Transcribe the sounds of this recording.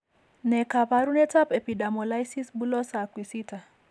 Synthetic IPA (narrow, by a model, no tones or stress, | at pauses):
nɛkapaɾunɛtapɛpiɗamɔlajsisbulɔsakwisita